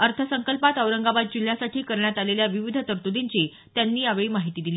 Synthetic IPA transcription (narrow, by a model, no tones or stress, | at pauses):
əɾt̪ʰəsəŋkəlpat̪əʋɾəŋɡaʋat̪̚d͡ʑil̤jasaʈʰiːkəɾɳjat̪aleljaʋiʋid̪ʱət̪əɾt̪ud̪iɲt͡ɕe | t̪janːiːaʋɭiːmaɦit̪iːd̪iliː